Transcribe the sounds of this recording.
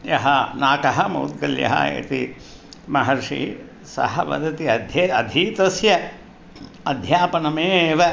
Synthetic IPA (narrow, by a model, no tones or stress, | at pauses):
jɐɦɐnaːkɐɦɐmɐ̰wt̪̚ɡɐljɐ̰ɦɐ̰ḛːt̪i | mɐɦɐɾʂḭ | sɐ̰ɦɐʋɐ̰d̪ɐt̪iɐd̪ʱjɐɐd̪ʱiːt̪ɐsjɐ | ɐd̪ʱjaːpɐnɐmeːʋɐ